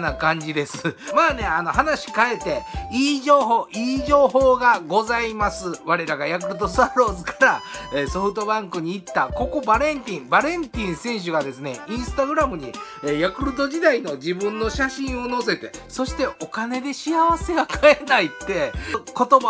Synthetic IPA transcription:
nakãɲ̟d͡ʑid̪e̞sɨmaːne̞ano̞hanaɕi̥kae̞t̪e̞iːʑoːɦoːʔiːʑo̞ːɦo̞ːɡaɡo̞zaimasɨβaɾe̞ɾaɡajak̬ɯ̟ɾɯt̪o̞st̪aɾo̞ːzɨkḁɾaeːso̞ɸɯ̟t̪o̞bãŋkɯ̟ɲ̟iːt̪ːako̞ko̞baɾẽ̞nt̪ʲĩbaɾẽ̞nt̪ʲĩɰ̃sẽ̞ɰ̃ɕ̬ɨɡad̪e̞sɨne̞̰ĩɰ̃sɨ̥t̪aɡɯ̟ɾamɯ̟ɲ̟i | ejakɯ̟ɾɯ̟t̪o̞ʑid̪aino̞d͡ʑibɯ̟̃nːo̞ɕaɕĩɰ̃o̞no̞se̞t̪e̞so̞ɕi̥t̪e̞o̞kane̞d̪e̞ɕiaβase̞ɡakae̞nait̪ːe̞ko̞t̪o̞ba

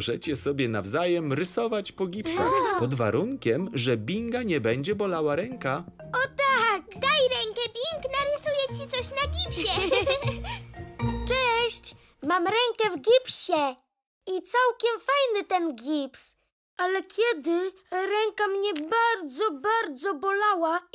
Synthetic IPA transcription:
ʐɛt͡ɕɛsɔbʲjɛnavzajɛmɾɘsɔvat͡ɕpɔɡʲipsapɔd̪va̰ɾuŋkʲɛmʐɛbʲiŋɡaɲɛbɛɲd͡ʑɛbɔlawaɾɛŋka | ɔt̪akd̪ajɾɛŋkɛbʲiŋknaɾɘsujɛt͡ɕit̪sɔɕnaɡʲipɕɛ | t͡ʂɛɕt͡ɕ | mamɾɛŋkɛvɡʲipɕɛ | it̪sawkʲɛmfajnɘt̪ɛnɡʲips | alɛkʲʰjɛd̪ɘ | ɾɛŋkamɲɛbaɾd̪zɔbaɾd̪zɔbɔlawa

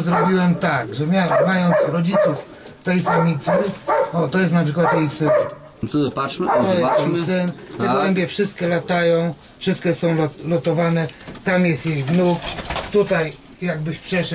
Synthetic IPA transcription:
zɾɔbʲiwɛmt̪aɡʐɛmʲjamajɔnt̪sɾɔd͡ʑit̪suf | t̪ɛjsamʲit̪sɘɔt̪ɔjɛst̪napʂɘkwat̪jɛjsɪn | paʂmt̪ɔjɛst̪ɛjsɪnt̪ɛɡɔwɛmbʲjɛfʂɘst̪̚kʲɛlat̪ajɔ̃w̃ | fʂɘst̪̚kʲɛsɔ̃w̃lɔlɔt̪ɔvanɛt̪amjɛst̪jejvnukt̪ut̪aj | jaɡ̚bɘɕpʂɛʂ

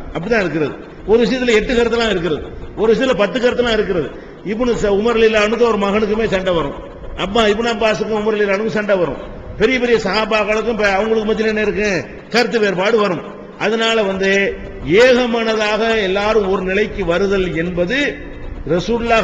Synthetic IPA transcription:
ɐpːɐɽɪt̪ãːɪɾɯkːɪɾɐðɯ | ɔɾɯʋɪʂɐɪjɐt̪̬ːɪlɐɛʈːɯkɐɾɐt̪ːɐlːãːɪɾɯk̬ːɪɾɐðɯɔɾɯʋɪʂ̬ɐt̪ɪlɐpɐt̪ːɯkːɐɾɐt̪ːɐlːãːɪɾɯk̬ːɪɾɐðɯ | ɪpːɔɳɯsɐʊmɐɾɐlɪlːaːɳɯk̬ːɯ̃ɐʋɾɯmɐɣɐɳɯkːɯmeːsɐɳɖɐʋɐɾʊ̰̃m | ɐpːaːɪp̬ːɐɳɐpːaːs̬ɯkːɯ̃ʊmɐɾɐlɪlːaːnɯkːɯ̃sɐɳɖɐʋɐɾɯ̰̃m | pɛɾɪjɐpɛɾɪjɐsɐɦaːbaːɣɐɭɯkːɯ̃mpɐʋɐŋɡɐɭɯkːɯmɐt̪ːɪlɛnːɐɪɾɯk̬ːẽː | kɐɾɐt̪̬ːɯʋeːɾbaːɽɯʋɐɾɯ̃m | ʔɐðɐnaːlɐʋɐnd̪ɯeːɣɐmaːnɐðaːɣɐɛlːaːɾɯ̃ɔɾɯnɪlɐɪkːɯʋɐɾɯðɐlɛnbɐðɯ | ɾɛsuːɽlaː

